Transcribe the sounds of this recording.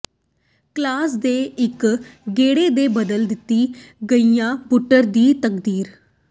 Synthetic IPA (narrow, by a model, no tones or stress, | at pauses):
klaːsd̪eːɪkɡeːɽeːd̪eːbəd̪əld̪ɪt̪ːiːɡəijãːbʊʈːəɾd̪iːt̪ək̚d̪iːɾ